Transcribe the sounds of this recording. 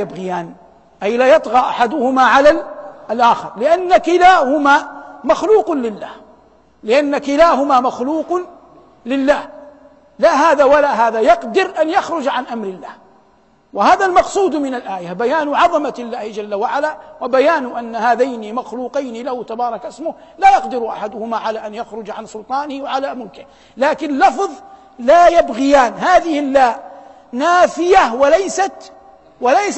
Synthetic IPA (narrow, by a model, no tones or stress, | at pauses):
abɣɪjaːn | ʔajlaːjɑt̪ˤɣɑːʔaħad̪ʊhʊmaʕalalalʔaːxɪ̰ɾlɪʔanːakɪlaːhʊmaːmɑxluːqnlɪlːa̰ːh | lɪʔanːakɪlaːɦʊmaːmaxluːq | lɪlːaːh | laːɦaːðaːwalaːɦaːðajɑqd̪ɪɾʔanjɑxɾʊd͡ʒʕanʔamɾɪlːa̰ːh | wɪhaːðalmɑqsˤuːd̪mɪnalʔaːjabajaːnʊʕɑðˤɑmaɪlːaːhɪd͡ʒalːawaʕalaːwabajaːnʊʔanːahaːðajnɪmaxluːqɑjnɪlahʊt̪abɑːɾˤɑkʔɪsmʊh | laːjɑqd̪ɪɾʔa̰ħad̪ʊhʊmaʕalaːʔanjaxɾʊd͡ʒʕansʊlt̪ˤɑːnɪhwaʕalaːmʊlkɪh | laːkɪnlːɑfðˤ | laːjabɣɪjaːnhaːðɪhɪlːaːʔ | naːfɪjawalajsat̪ | walajs